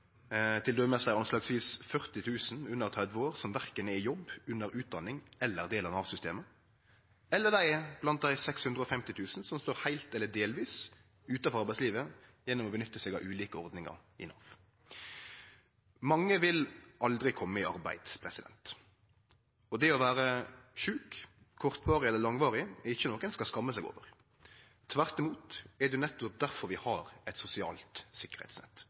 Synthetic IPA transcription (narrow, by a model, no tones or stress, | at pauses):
t̪ʰɪld̪øːmɛsæɪɑnslɑːɡsʋiːsfœʁt̪ɪt̪ʰʉːsn̩ʉnːəʁt̪ʰʁɛd̪ʋəoːʁsɔmʋæʁkənəɪjɔbːʉnːəɾʉːt̪̚d̪ɑnɪŋɛlːəʁd̪eːlɑnɑːʋsʏst̪ḛːmə | ɛlːəʁd̪æɪb̥lɑnt̪̚d̪æɪsɛkshʉnd̪ʁəɔfɛmt̪ɪt̪ʰʉːsn̩sɔmst̪oːʁhæɪlt̪ɛlːəd̪eːlʋiːs | ʉːt̪ɑfɔʁɑʁbæɪtsliːʋəjɛnːɔmɔbənʏt̪ːəsɛːɡɑʋʔʉːliːkəɔʁd̪nɪŋɑ̰ʁɪ̰nɑ̰ːʋ | mɑŋːəʋɪlɑld̪ɾɪkʰɔmːəɪɑ̰ɾbæ̰ɪd̪spʰɾɛsɪd̪ɛ̰nt̪ | ɔd̪ɛɔʋæːɾəʃʉːkʰː | ɔʁt̪ʋɑːʁɪɛlːəlɑŋʋɑːʁɪɛɪçːənoːkənskɑskɑmːəsæɪɡo̰ːʋəʁ | t̪ʰʋæʁt̪ɪmuːt̪ɛd̪ɛnɛt̪ːɔp̚d̪æɾfɔɾʋɪhɑːɾɛt̪sʊsɪɑ̰ːlt̪sɪkːəʁhɛ̰ɪt̪snɛ̰t̪ː